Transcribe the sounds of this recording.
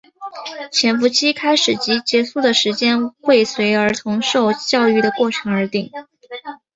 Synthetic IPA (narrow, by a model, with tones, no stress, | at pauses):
t͡ɕʰjɛ˧˥nfu˧˥t͡ɕʰi˥kʰa˥ɪʂɻ̩˨˩t͡ɕi˧˥t͡ɕjɛ˧˥su˥˩d̪ə˩ʂɻ̩˧˥t͡ɕjɛ˥nxwe˥˩ɪswe˧˥ɪə˞˧˥t̪ʰʊ˧˥ŋʂo˥˧ʊt͡ɕjɑ˥˧ʊy˥˩ɾə˩kwɔ˥˩ʈ͡ʂʰɤ˧˥ŋə˞˧˥t̪i˨˩˦ŋ